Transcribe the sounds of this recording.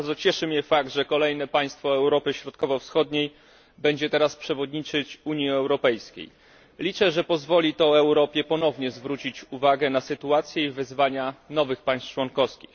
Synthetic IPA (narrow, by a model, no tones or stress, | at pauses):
ɾd̪zɔt͡ɕɛʂɘmɲɛfaɡ̚t̪ʐɛkɔlɛjnɛpaj̃st̪fɔɛwɾɔpɘɕɾɔt̪kɔvɔfsxɔd̪ɲej | bɛɲd͡ʑɛt̪ɛɾaspʂɛvɔd̪ɲit͡ʂɘt͡ɕuɲiɛwɾɔpɛjskʲḛj | lʲit͡ʂɛʐɛpɔzvɔlʲit̪ɔɛwɾɔpʲjɛpɔn̪ɔvɲɛzvɾut͡ɕit͡ɕuvaɡɛnasɘt̪uat̪sʲjɛivɘzvaɲanɔvɘxpaj̃st͡ʂwɔnkɔfskʲix